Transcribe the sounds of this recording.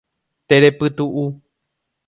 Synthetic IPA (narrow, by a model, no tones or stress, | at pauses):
t̪eɾepɨt̪uʔu